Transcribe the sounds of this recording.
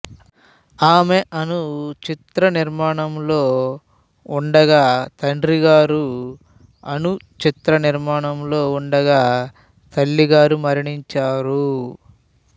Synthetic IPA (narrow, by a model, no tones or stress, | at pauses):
aːme̞ʔɐnut͡ʃit̪ɾɐniɾmaːɳɐmlo̞ː | uɳɖɐɡaːt̪ɐɳɖɾiɡaːɾu | ɐnut͡ʃit̪ɾɐniɾmaːɳɐmlo̞ːuɳɖɐɡaː | t̪ɐɭːiɡaːɾumɐɾiɳiɲt͡ʃaːɾu